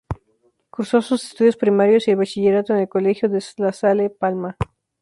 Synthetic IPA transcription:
kuɾso̞susest̪uðjo̞spɾimaɾjo̞sielβat͡ʃiʝe̞ɾat̪oenelkole̞xjoðeslasalepalma

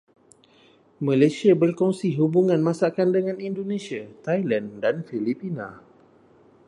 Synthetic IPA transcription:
mãlajsiabərkɔŋsiɦubuŋãnmãsakandəŋãnindonẽsiat̪ajlandanfilipinã̰

